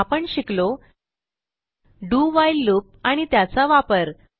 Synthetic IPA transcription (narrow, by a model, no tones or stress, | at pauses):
apəɳɕiklo | ɖuʋajlːup̚aɽ̃it̪jat͡saʋapəɾ